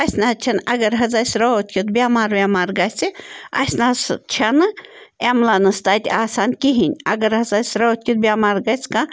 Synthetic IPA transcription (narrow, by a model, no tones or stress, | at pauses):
ɐsʲnaːt͡ʃʰɐnɐɡɐɾɦɐzasʲɾoot̪̚ʰʲkʰʲit̪bʲaːmaːɾwʲamaːɾɡɐsʲiɐ̰snaːst͡ʃʰɐnɨ | emlanɨst̪aːt̪ʲaːsaːnkiɦinʲɐɡɐɾɦɐzasʲɾoot̪̚ʲkʰʲit̪̚bʲaːmaːɾɡɐsʲka